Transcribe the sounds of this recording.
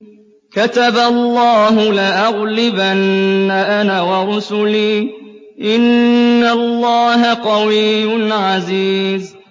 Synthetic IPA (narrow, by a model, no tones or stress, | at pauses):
kat̪abalˤːɑːɦʊlɪʔɑɣlɪbanːaʔanawɑɾˤʊsʊliːʔɪnːalːɑːɦaqɑwijnʕaziːz